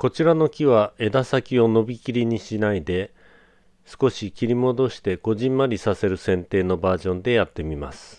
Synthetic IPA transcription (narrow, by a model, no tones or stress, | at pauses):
ko̞t͡ɕiɾano̞kʲiβae̞d̪asakʲio̞no̞bʲikʲiɾʲiɲ̟iɕinaid̪e̞ | sɨ̥ko̞ɕikʲiɾʲimo̞d̪o̞ɕi̥t̪e̞ɡ̥o̞ʑĩmːaɾʲisase̞ɾɯ̟sẽ̞nt̪e̞ːno̞baːʑõ̞nd̪e̞jat̪ːe̞mʲimasɨ̥